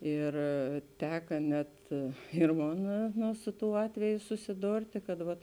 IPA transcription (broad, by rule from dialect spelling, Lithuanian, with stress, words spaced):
ˈɪr ˈtʲæːkɐ nʲɛt ɪr ˈmoːn ˈnʊ ˈsʊ ˌtuː ˈɑːtʲʋʲɛjʊ sʊsʲɪˈdoːrʲtʲeː kɐt ˈʋɐt